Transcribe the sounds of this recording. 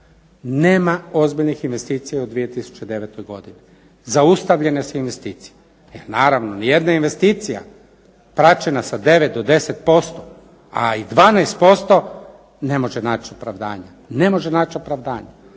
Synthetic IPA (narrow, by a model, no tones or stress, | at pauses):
neːmaozbiʎnixinʋe̞st̪iːt̪sijaod̪ʋije̞t̪isu̥t͡ʃe̞d̪e̞ʋet̪ojɡo̞d̪ini | zaust̪aʋʎe̞nesuinʋe̞st̪iːt̪si̥je | jelnaːɾaʋnonije̞d̪nainʋe̞st̪iːt̪sija̰ | pɾat͡ʃenasad̪e̞ʋe̞t̪̚d̪od̪e̞se̞t̪̚po̞st̪o | a̰id̪ʋaːnejst̪̚po̞st̪o̞ | nemo̞ʒenaːt͡ʃiopɾaʋd̪a̰ːɲa | ne̞mo̞ʒenaːt͡ʃo̞pɾaʋd̪aːɲa